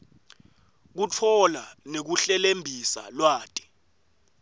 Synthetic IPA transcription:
k̬ut͡fʰɔlanek̬uɬɛlembʱisa̰lwaːtʼi̥

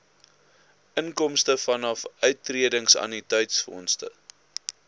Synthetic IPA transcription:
ʔəŋkɔmstəfɐnɐfœɥtːriədəŋsɐ̰nitœɥtsfɔ̰nstə̰

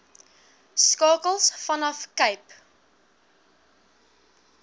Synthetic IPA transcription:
skɑːkəlˠsfɐnʌfkəjp

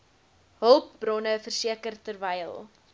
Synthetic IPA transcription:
ɦəlˠp̚brɔnəfərsiəkərtərvɛjlˠ

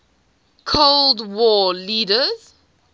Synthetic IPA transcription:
kʰoldwɔliːdəz̥

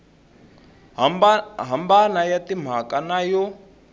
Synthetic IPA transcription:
ɦambanajatim̤akanajɔ

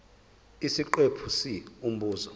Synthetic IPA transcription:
isiǃepʰusium̩buːzɔ

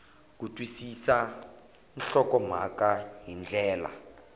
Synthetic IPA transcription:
k̬utʼwisisa | nɬɔkɔm̤a̰kaɦind͡ɮʱɛːla̰

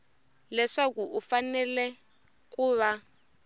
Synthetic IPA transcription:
lɛʂakuʔufanɛlɛ | k̬ʼuβa

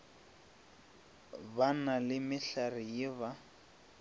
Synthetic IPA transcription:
banalɪmɪɬarɪjɪβa

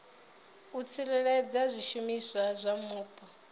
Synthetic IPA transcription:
ut͡sʰiɺɛɺɛd͡zazʷiʃumisazʷamuːpʼa

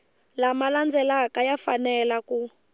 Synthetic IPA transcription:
lamaland͡zɛlakajafanɛlaku

